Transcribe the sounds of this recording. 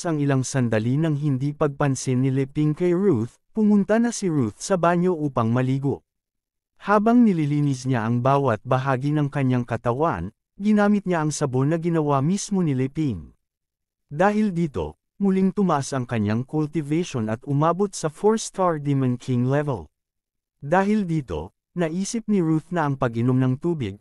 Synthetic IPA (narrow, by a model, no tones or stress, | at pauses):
sɐŋɪlaŋsɐnd̪ɐlinɐŋɦɪnd̪ipɐɡ̚pɐnsɪnːɪlɛpiŋkɐjɹuθ | pʊmʊnt̪ɐnɐsiɹuθsɐbaɲo̞ʔuːpɐŋmɐliːɡo̞̰ | haːbɐŋnɪlɪliːnɪs̬ɲaʔɐŋbaːwɐt̪̚bɐɦaːɡinɐŋkɐɲaŋkɐt̪ɐwa̰n | ɡɪnaːmɪt̪̚ɲaʔɐŋsɐbo̞nɐɡɪnɐwamismo̞nɪlɪpiŋ | d̪aːɦɪld̪iːt̪o̞̰ | mʊliŋt̪ʊmɐʔasɐŋkɐɲaŋkʊlt̪ɪvɛjʃonɐt̪ʔʊmaːbot̪̚sɐfoɹst̪aɹd̪imɐnkʰiŋlɛvɛ̰l | d̪aːɦɪld̪iːt̪o̞̰ | nɐʔiːsɪp̚nɪɹuθnɐʔɐŋpɐɡɪno̞mnɐŋt̪uːbɪɡ̚